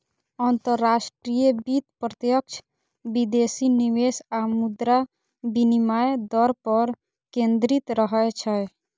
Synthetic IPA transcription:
ənt̪əɾːasʈɾijəbit̪pɾət̪jək̚t͡ʃʰ | bid̪esiniwesamud̪ɾa | binimajd̪ɔɾpəɾ | kẽnd̪ɾit̪ɾəɦət͡ʃʰəj

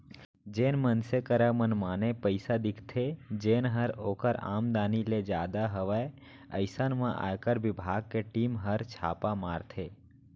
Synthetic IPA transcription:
d͡ʒeːnmənsekəɾəmənmaːnepəɪsad̪ɪkʰt̪ʰed͡ʒeːnɦəɾoːkəɾa̰ːmd̪aːniled͡ʒjaːd̪aɦəʋae | əɪsənmãʔa̰ːkəɾʋɪbʱaːɡ̚keʈiːmɦəɾt͡ʃʰa̰ːpamaːɾt̪ʰeː

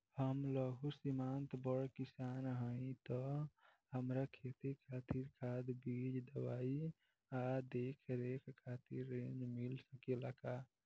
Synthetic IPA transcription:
həmləɡʱusimant̪bəɽkisanɦəĩt̪ɔ | ɦəmɾakʰet̪ikʰat̪iɾkʰad̪bid͡ʒd̪əwai | ad̪ekʰɾekkʰat̪iɾːẽnd͡ʒmilsəkeləka

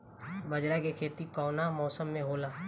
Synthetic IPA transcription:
bɐd͡ʒɾakekʰeːt̪ikɔːnamɔːsəmːẽɦoːlaː

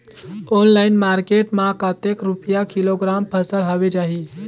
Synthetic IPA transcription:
onlaɪnmaɾkeʈmãkət̪ekɾupijakiloɡɾampʰəsəlɦɔbed͡ʒaːɦi

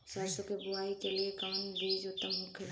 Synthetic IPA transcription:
saːɾsokebʊaːikeliekaːnbʱiːd͡ʒot̪əmʊ̃kʰ

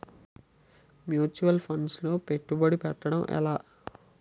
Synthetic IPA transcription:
mjuːt͡ʃuʋɐlpʰɐɳɖslo̞ːpe̞ʈːubɐɽipɛʈːɐɽɐmʔɛ̰laː

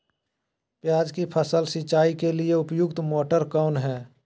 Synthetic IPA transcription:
pjaːd͡ʒkipʰəsəlsit͡ʃaːikelieʊpjʊɡt̪moːʈəɾkaːnɦɛː

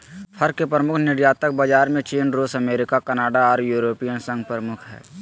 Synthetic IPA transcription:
pʰəɾkepɾəmʊkʰnɪɾjaːt̪ək̚bad͡ʒaːɾmẽt͡ʃiːnɾoːsɐmeːɾɪkakənaːɖaɔːɾjuːɾoːpijənsə̃ŋɡ̚pɾəmʊkʰɦɛ̰ː

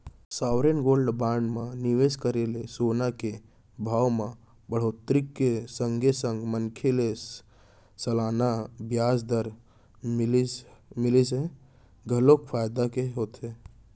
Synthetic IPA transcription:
saːwɾenɡoːlɖbaːɳɖmãniʋeskəɾelesonake | bʱaːwmã | bəɽ̤oːt̪ɾikːesə̃ŋɡesə̃ŋɡmənkʰele | səlaːnabjaːsd̪əɾ | mɪlise | ɡʱəlokpʰaːjd̪akeɦoːt̪ɦe

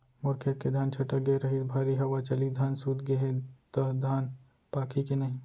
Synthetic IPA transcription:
mʊɾkʰjət̪̚ked̪ʱaːnt͡ʃʰɐʈəɡeɾɐɦibʱaːɾiɦɐwat͡ʃɐlid̪ʱaːnsuːt̪ɡɐɦet̪ɐd̪ʱaːn | paːkʰikenɐɦĩː

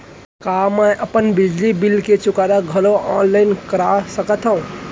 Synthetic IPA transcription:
kaːmɛʔɐpənbɪd͡ʒlibɪlket͡ʃʊkaːɾaɡʱɐloʔɔːnlaːɪnkɐɾasəkət̪ɦaũ

